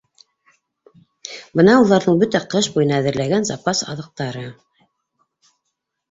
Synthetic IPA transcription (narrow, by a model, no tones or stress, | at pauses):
bɤnɑulˠɑɾðɤɴbɵt̪æqɤʃbujɤ̆nɑæðɘ̆ɾlæɡænzɑ̰pɑsɑ̰ðɤ̆q̚t̪ɑɾɤ